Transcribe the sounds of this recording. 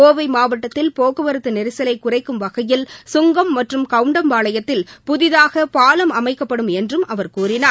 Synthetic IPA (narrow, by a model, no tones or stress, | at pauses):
oːʋɐɪmaːʋɐʈːɐt̪ːɪlpoːɣɯʋɐɾɯt̪ːɯnɛɾɪsɐlɐɪkːʊrɐɪkːɯmʋɐɣɐjɪlsʊŋɡɐmːɐʈrɯmkɐʋɯɳɖɐmʋaːɭɐjɐt̪ːɪlpʊðɪðaːɣɐpaːlɐmɐmɐɪkːɐpːɐɽɯmɛndrɯmʔɐʋɐɾkuːrɪnaː